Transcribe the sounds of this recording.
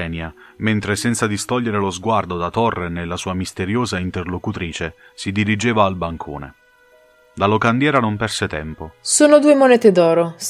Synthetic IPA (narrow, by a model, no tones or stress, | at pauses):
ɛnjament̪ɾesɛnt̪sad̪ist̪ɔʎːeɾelozɡward̪od̪at̪ɔrːenelːasuːamist̪eɾjoːzaint̪erlokut̪ɾiːt͡ʃe | sid̪iɾid͡ʒeːvaːlbaŋkʰo̰ːnḛ | d̪alokand̪jɛːɾanompɛrset̪ɛmposoːnod̪uːemonɛːt̪ed̪ɔːɾo